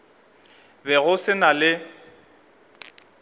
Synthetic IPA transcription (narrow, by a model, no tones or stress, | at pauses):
bɛɣʊsɪnalɪ